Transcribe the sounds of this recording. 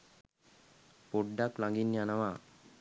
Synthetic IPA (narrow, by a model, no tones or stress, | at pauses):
poɖːaklaŋɡinːianaʋa